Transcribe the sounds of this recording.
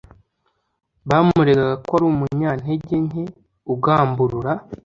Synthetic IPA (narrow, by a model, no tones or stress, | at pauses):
βaːmuɾe̞ɡaɡakaɾuːmuɲaːn̥he̞ɟe̞ɲɦe̞ | uɡaːmbuɾuɾa